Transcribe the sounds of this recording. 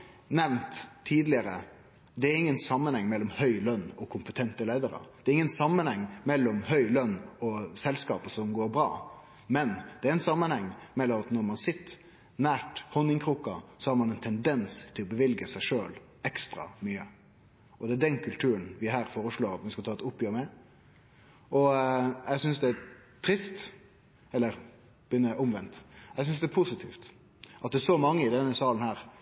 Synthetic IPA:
nɛʋnt̪ʰːiːd̪lɪəɾə | d̪ɛæɾɪŋːənsɑmːənhɛŋːmɛlːɔmhœʏlœnːɔkʰʊmpət̪ʰɛnt̪əleːɪd̪əɾɑ̰d̪̥ɛɾɪŋːənsɑmːənhɛŋːmɛlːɔmhœʏlœnːɔsɛlskɑ̰ːpəsɔmɡoːɾbɾɑ̰ː | mɛnd̪ɛæɾɛɪnsɑmːənhɛŋːmɛlːɔmɑt̪nɔɾmɑnsɪt̪ːə | næːʈhɔnːɪŋkʰɾuːkɑsɔhɑːɾmɑnɛɪnt̪ʰɛnd̪ɛnst̪ʰɪlɔbəʋɪlɡəsæɪʂøːl | ɛkst̪ɾɑ̰myːə | ʔɔd̪ɛæɖɛnkʰʉlt̪ʰʉːɾənʋɪɦæːɾfoːɾəʂɭoːɾɑt̪mɛskɑt̪ʰɑːɛt̪ʊpːjøːɾmɛ | ʔɔjɛsʏnsd̪ɛæt̪ʰɾɪst̪ | ɛlːəɾ | b̥ʏnːəʔʊmʋɛnt̪jɛɡsʏnsd̪ɛæɾpʰʊsɪt̪ʰiːft̪ | ʔɑt̪d̪ɛæʂɔmɑŋːəɪd̪ɛnːəsɑːlən̩hæːɾ

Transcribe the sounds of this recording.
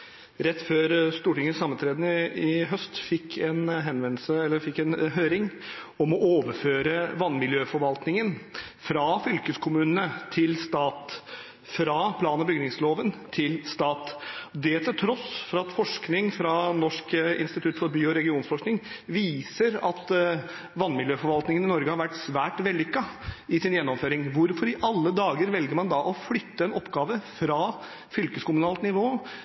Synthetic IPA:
ɾɛt̪ːføːɾst̪uːʈɪŋːəsɑmːənt̪ʰɾeːd̪n̩ɪɦœst̪fɪkʰːɛnɦɛnʋɛnl̩səɛlːəɾfɪkːɛnɦøːɾɪŋ | ɔmɔʔoːʋəɾføːɾəʋɑnːmɪljøːfɔɾʋɑlt̪nɪŋənfɾɑfʏlkəskʰʊmʉːnənət̪ʰɪlst̪ɑːt̪ | fɾɑpʰlɑːnɑbʏɡnɪŋsloːʋənt̪ʰɪlst̪ɑːt̪ɔd̪ɛt̪ʰɪlt̪ʰɾɔsfɔɾɑt̪fɔʂknɪŋfɾɑnɔʂkɪ̰nst̪ɪt̪ʰʉt̪fɔɾbyːɔɾɛɡɪuːnsfɔʂknɪŋʋiːsəɾɑt̪ | ʋɑnːmɪljøːfɔɾʋɑlt̪nɪŋənɪnɔɾɡəhɑɾʋæʈːsʋæːʈʋɛlːɪkːɑɪsɪnjɛnːɔmføːɾɪŋʋʊɾfɔɾɪʔɑlːəd̪ɑːɡəɾʋɛlɡəɾmɑnd̪ɑʔɔflʏt̪ːəɛnɔpːɡɑːʋəfɾɑː | fʏlkəskʊmʉnɑːlt̪nɪʋoː

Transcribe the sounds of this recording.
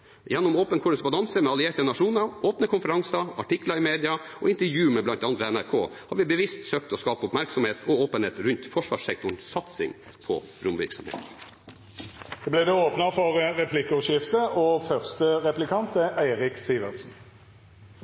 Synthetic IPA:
jɛnːɔmoːpənkʰʊɖ̪əsbɑd̪ɑnsəmɛɑlɪeːʈənɑʂuːnəɾʔoːpnəkʰʊnfəɾɑŋsɑɑʈɪkləɾɪmeːd̪ɪɑ | ɔ̰ɪnt̪əɾjʉːmɛblɑnt̪ɑnt̪ʋɛɛnæɾkʰo̰ːhɑɾʋɪbəʋɪst̪søːk̚t̪ɔskɑːpəʊpmæɾksɔmheːt̪ʰɔoːpənheːt̪ɾʉnt̪fɔʂʋɑ̰ːʂsɛk̚t̪ʊɳsɑt̪sɪ̰ŋ | pʰɔ̰ | ɾʊmʋɪ̰ɾksɔmhḛːt̪n | d̪ɛblæɪd̪ɛoːpnɑfɔʁɾɛpʰlɪkʊʃɪft̪əʔɔfœʁst̪əʁɛplɪkʰɑnt̪əʔæɪʁɪksiːʋəsn̩

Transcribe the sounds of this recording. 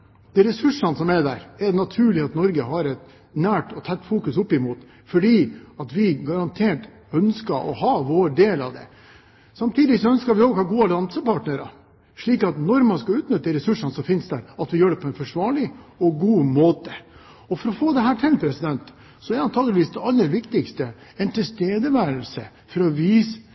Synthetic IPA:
d̪̥ɛɾɛsʉʂɑnsɔmɛd̪æ̰ːɾɛnɑt̪ʰʉːɭɪɑt̪nɔɾɡəhɑɾɛt̪ | næːʈɔt̪ʰɑt̪ːfuːkʉsʊpːɪmuːt̪ | fɔɖiːɑt̪ʋɪɡɑɾɑnt̪ʰeːʈ | œnskɑʔɔ̰hɑːʋoːɖeːlɑ̰ʋd̪ɛ̰ | sɑmt̪ʰiːd̪ɪsɔœnskɑɾʋɪoːɡhɑːɾɡuːɑlɑnsəpɑʈnəɾɑ̰ | ʂɭiːkɑt̪nɔɾmɑnskɑʉːt̪nʏt̪ːəɪɾɛsʉʂɑnsɔfɪnsd̪æːɾɑt̪ʋɪjøːɖɛpʰɔɛnfɔʂʋɑːɭɪɔɡuːmoːt̪ə | ɔfɔɾɔfoːd̪ɛɦæːʈʰɪlpʰɾɛsɪd̪ɛnt̪ | sɔæɾɑnt̪ʰɑːɡəlɪʋiːsd̪ɛɑlːəɾʋɪkt̪ɪkst̪ə | ɛnt̪ʰɪst̪eːd̪əʋæːɾəlsə̰ | fɔɾɔʋiːs

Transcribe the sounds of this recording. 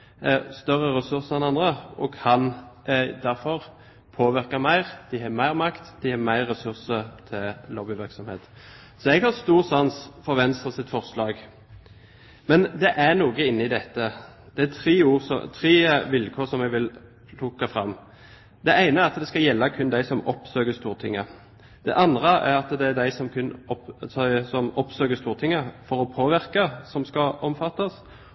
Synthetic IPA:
æst̪œʁəɾɛsʉɾsəɛnɑnd̪ɾəʔɔkʰɑn | d̪æɾfɔʁ | pʰoːʋɪɾkɑmæɪʁd̪̥ɪhɑmæɪʁmɑkt̪d̪̥ɪhɑmæɪʁːɛsʉɾsət̪ʰɪlloːbɪʋɪɾʁksɔmhḛːt̪ | sɔɛɡhɑst̪uːɾsɑnsfɔɾʋɛnst̪ʁəsɪt̪fɔʁslɑːɡ | mɛnd̪ɛʔænuːɡəɪnːəɪd̪ɛt̪ːəd̪̥ɛæt̪ʰɾeːuːɾsɔ̰t̪ʰʁeːʋɪlkʰoːʁsɔmɛɡʋɪl | lʊkːɑfʁɑmː | d̪ɛʔæɪnəæɾɑt̪d̪ɛskɑjɛlːəkʰʉnd̪æɪsɔmɔpsøːɡəst̪uːʁt̪ʰɪŋːə̰ | d̪̥ɛ̰ʔɑnd̪ʁəʔæɾɑt̪d̪ɛæɾd̪æɪsɔmkʰʉn | sɔmɔpsøːɡəst̪uːʁt̪ʰɪŋːəfɔɾɔpʰoːʋɪɾkəsɔmskɑʔɔmfɑt̪ːɑs

